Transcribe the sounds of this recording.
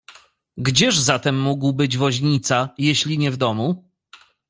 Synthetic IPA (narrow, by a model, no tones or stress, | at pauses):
ɡd͡ʑɛʐzat̪ɛmːuɡwbɘd͡ʑvɔʑɲit̪sajeɕlʲiɲɛvd̪ɔmu